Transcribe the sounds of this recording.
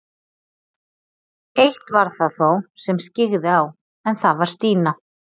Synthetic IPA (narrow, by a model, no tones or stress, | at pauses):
ejht̪vaɾ̥θaðθowsɛmscɪɣðɪaw | ɛnθavaɾ̥st̪iːna